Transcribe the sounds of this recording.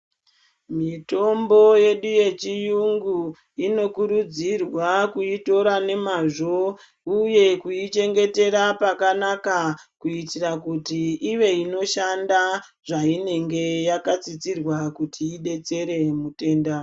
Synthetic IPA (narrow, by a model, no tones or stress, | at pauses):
mito̞mbo̞je̞ɗuje̞t͡ʃijuŋɡu | ino̞kuɾud͡zirwakuito̞ɾane̞maʐo̞ | uje̞kuit͡ʃe̞ŋɡe̞te̞ɾapakanakakuitirakutiiʋe̞ino̞ʃanda | ʐaine̞ŋɡe̞jakat͡sit͡sirwakutʰiːɗe̞t͡se̞ɾe̞mute̞ːnda